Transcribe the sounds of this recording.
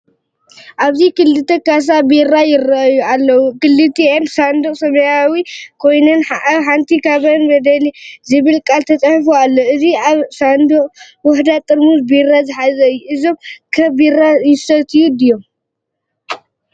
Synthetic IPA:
ʔaβzikɨlːɨt̪ʰɐkas̬abiɾajɪrːɐʔjualːɐwukɨlːɨt̪ʰiʔensand̪uqʼsɐmɐjawikʰo̞jnɐnaħant̪ʰikʰaβɐnbɐd̪ɐlizɨβɨlkʼalt̪ʰɐt͡sʼɐħfualːoʔɨziaβsand̪uqʼ | wʊħd̪at̪ʼɨɾmuzbiɾazɨħazɐɨjːuʔɨzo̞mkʰɐbiɾajɪsɐt̪ʰɨjud̪ɨjom

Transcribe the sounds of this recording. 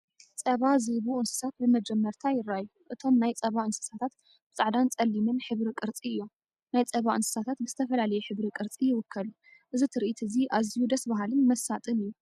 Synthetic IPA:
t͡sʼɐβazɨβuʔɨnsɨ̥sat̪̚bɨmɐd͡ʒɛmːɐɾt̪ʰajɪɾːajuʔɨt̪ʰo̞mnajt͡sʼɐβaɨnsɨ̥sat̪ʰat̪ | bɨt͡sʼɨʕd̪ant͡sʼɐlːimɨnħɨβɾikʼɨɾt͡sʼiɨjːo̞m | najt͡sʼɐβaʔɨnsɨ̥sat̪ʰat̪bɨzɨt̪ʰɐfɐlalɐjɛħɨβɾikʼɨɾt͡sʼijɪwʊkʰːɐlu | ʔɨzit̪ʰɨɾʔit̪ʰɨziʔazijud̪ɐsbaɦalɨnmɐsat̪ʼɨnɨjːu

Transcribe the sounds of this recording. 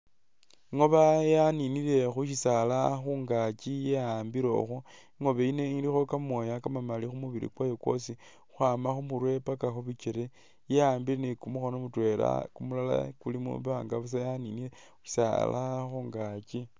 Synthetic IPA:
iŋo̞βajaniniɾe̞xuʃisalaxuːŋɡat͡ʃijeaːmbiɾoxu | iŋo̞βeine̞ŋlixo̞kamwo̞jakamamalixumuβiɾḭkwajo̞kwo̞̰si | uxwaːmaxumuɾwe̞pakaxuβit͡ʃeɾe | jeaːmbiɾenekumuxo̞nomutwe̞la̰kumulala̰kulimṵβaŋɡaβas̬ajaniniɾe | uʃi̥sa̰la̰xuːŋɡat͡ʃi

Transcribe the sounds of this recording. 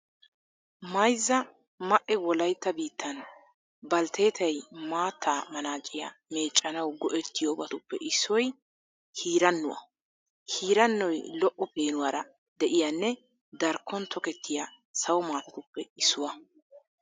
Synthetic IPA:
mɐjzːɐ | mɐʔɛwɔlɐjt̪ːɐbiːt̪ːɐn | bɐlt̪ʰe̞ːt̪ʰɐjmaːt̪ʰːaːmɐnaːt͡ʃʼɪja̰me̞ːt͡ʃʼːɐnɐwɡɔʔɛt̪ːɪjoːbɐt̪ʊpːɛʔɪsːɔj | hiːɾɐnːʊwɐ̰ | hiːɾɐnːɔjlɔʔːɔpe̞ːnʊwaːɾɐ | d̪ɛʔɪjanːɛ | d̪ɐɾkːɔnt̪ʰɔkɛt̪ːɪja | sɐwɔmaːt̪ɐt̪ʊpːɛɪsːʊwɐ

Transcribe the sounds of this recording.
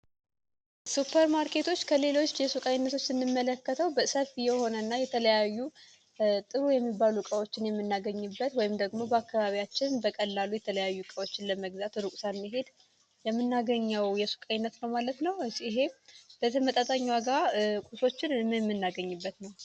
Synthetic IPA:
supʰːəɾmaɾkʰe̞t̪ʰo̞t͡ʃːkʰəle̞lo̞t͡ʃːjɛsukʼajɪnːət̪ʰo̞t͡ʃːsɨnːɨmːələkːət̪ʰəwbəsəfijɛho̞nənːajɛt̪ʰələjajːu | t̪ʼɨɾujɛmːibːalukʼəwo̞t͡ʃːɪnjɛmːɨnːaɡəɲːɨbːət̪wɔjɪmd̪əɡmo̞bəakːaβaβiat͡ʃːɪnbəkʼəlːalujɛt̪ʰələjajːukʼəwot͡ʃːɪnləməɡzat̪ɾukʼsanmːiɦe̞d̪ | jɛmːɨnːaɡəɲːəwjɛsu̥kʼajɪnːət̪nəwmalət̪nəwɨsɪɦe̞b̥ət̪ʰəmət̪ʼat̪ʼaɲwaɡakʷʼuso̞t͡ʃːɪnɛmːɨnːaɡəɲːɨbːət̪nəw

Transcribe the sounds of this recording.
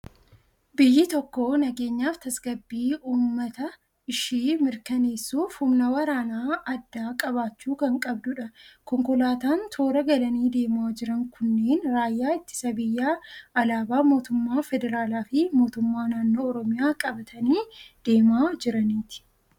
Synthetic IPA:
bɪjːɪt̪ɔkːo̞ːnɐɡe̞ːɲːaːft̪ɐsɡɐbːiːʔuːmːɐt̪ɐ | ɪʃiːmɪɾkɐneːsːuːfhʊmnɐwɐɾaːnaːɐd̪ːaːkʼɐbaːt͡ʃːuːkɐŋkʼɐbd̪ʊᶑɐkɔŋkʊlaːt̪aːnt̪ʰo̞ːɾɐɡɐlɐniːd̪e̞ːmaːd͡ʒɪɾɐŋkʰʊnːe̞ːnɾaːjːaːɪt̪ːɪ̥sɐbɪjːaːɐlaːbaːmo̞ːt̪ʊmːaːfɛd̪ɛɾaːlaːfɪmo̞ːt̪ʊmːaːnaːnːo̞ːɔɾɔmɪjaːkʼɐbɐt̪ʰɐniːd̪̥e̞ːmaːd͡ʒɪɾɐniːt̪ɪ̥

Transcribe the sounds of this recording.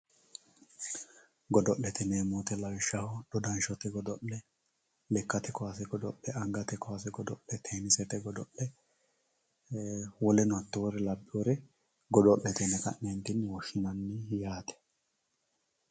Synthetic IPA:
ɡɔd̪ɔʔːɛt̪ɛneːmoːt̪ɛlɐwɪʃːɐhɔd̪̥ɔd̪ɐnʃɔt̪ɛɡɔd̪ɔʔɛ | lɛkːɐt̪ɛkɔasɛɡɔd̪ɔʔːɛɐŋɡɐt̪ɛkɔas̬ɛɡɔd̪ɔʔɛt̪ʰeːnɪsɛt̪ɛɡɔd̪ɔʔːɛ | wɔlɛnʊɐt̪ːoɔɾɛlɐbːɪɔɾɛ | ɡɔd̪ɔʔɛt̪ɛnɛkɐ̰ʔɛnt̪ɪnwɔʃːɪnɐnːɪjaːt̪ɛ̥

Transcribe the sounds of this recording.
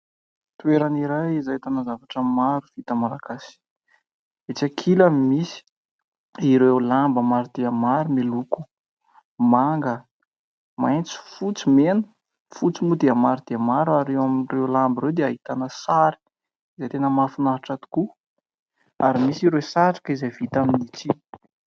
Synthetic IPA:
t̪ueɾaniɾajizajt̪anazavaʈ͡ʂəmaɾuv̥it̪əmalakasi̥ | et͡sakʰilamimisi̥ | iɾewlambəmaɾud̪̥eamaɾumeluku̥ | maŋɡə | majnt͡si̥fut͡simenə | fut͡simud̪eamaɾud̪̥eamaɾuaɾewaminrewlambiɾewd̪eaɦit̪anəsaɾi̥ | izejt̪enəmafinaɾaʈ͡ʂat̪u̥ku | aɾimisiɾesaʈ͡ʂḁkizejvit̪aminit͡si

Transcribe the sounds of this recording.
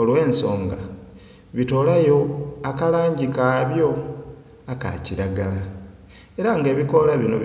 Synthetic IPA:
olwe̞ːnso̞ːŋɡa | βito̞ːlajo̞akalaːɲɟikaːβjo̞ | aka̰ciɾaɡala | e̞ɾaŋɡeːβiko̞laβino̞̰

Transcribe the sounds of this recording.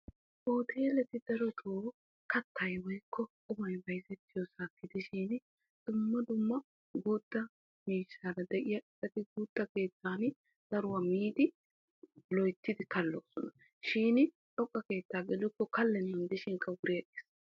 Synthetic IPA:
ʔoːt̪ʰeːlɛt̪ɪd̪̥ɐɾɔt̪ʰoː | kɐt̪ʰːɐjwɔjkʰːɔ | ʊmɐjbɐjzɛt̪ːɪjɔsaːkːɪd̪ɪʃiːn | d̪̥ʊmːɐd̪ʊmːɐ | ɡuːd̪̥ːɐ | miːʃːaːɾɐd̪ɛʔɪjɐʔɪsʼɐt̪ɪɡuːd̪̥ːɐke̞ːt̪ʰːaːn | z̥ɐɾʊwɐmiːd̪ɪ | lɔjt̪ːɪd̪ɪkɐlːo̰ːsɔnɐ | ʃiːnɪ | ᶑɔkʼːɐke̞ːt̪ːaːɡɛlʊkːɔkɐlːɛnːɐnd̪ɪʃɪŋkːɐwʊɾɪjɐkeːs

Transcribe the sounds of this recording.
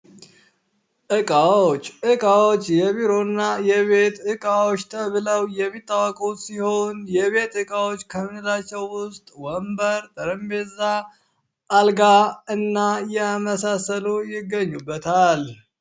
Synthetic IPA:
ʔɨkʼawot͡ʃːʔɨkʼawot͡ʃːjɛβiɾo̞nːajɛβet̪ɨkʼawot͡ʃːt̪ʰəβɨləwjɛmːit̪ʼːawəkʼowsiho̞njɛβe̞t̪ɨkʼawo̞t͡ʃːkʰəmɨnɨlat͡ʃːɛwːʊst̪ʼwɔmbəɾt̪ʼəɾəmbe̞za | ʔːlɡaɨnːajɛməsasəlujɪɡəɲːubːət̪ʰal

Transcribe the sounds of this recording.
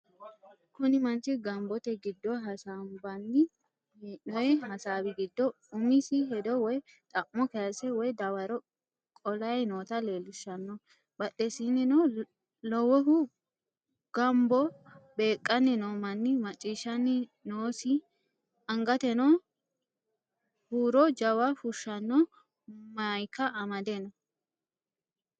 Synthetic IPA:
kʊnɪmɐnt͡ʃɪɡɐmbɔt̪ɛɡɪd̪ːɔɦɐsambɐnːɪ | nɔjɛhɐsaːbɪɡɪd̪ːɔ | ʊmisɪɦɛd̪ɔwɔj | t̪ʼɐʔːɔkɛɐsɛwɔjd̪ɐwɐɾɔ | kʼɔlɐjnoːt̪ɐle̞ːlʊʃːɐnːɔ | bɐɗːɛsinːɪnɔ | lɔwɔɦʊ | ɡ̥ɐmbɔbe̞ːkʼːɐnːɪnoːmɐnːɪmɐt͡ʃʼːiːʃɐnːɪnoːsɪ | ɐŋɡɐt̪ɛnɔ | huːɾɔd͡ʒɐwɐfʊʃːɐnːɔ | mɐjkːɐʔːmɐd̪ɛnɔ

